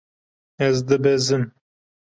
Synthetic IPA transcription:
ɛzd̪ɨbɛzɨm

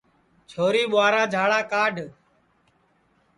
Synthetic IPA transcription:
t͡ʃʰoːɾiːɓʊaːɾaːd͡ʒʱaːɭaːkaːɖʱ

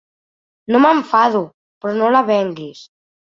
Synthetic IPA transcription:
noməɱfaðu | pɾɔnolaβɛŋɡis

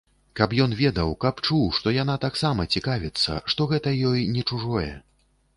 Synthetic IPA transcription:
kɐpjɔnvʲɛd̪ɐwkapt͡ʂuwʂt̪ɔjan̪at̪aksamɐt͡sʲikavʲɛt̪sːɐ̰ʂt̪ɔɣɛt̪ɐjɔjnʲɛt͡ʂuʐɔjɛ̰

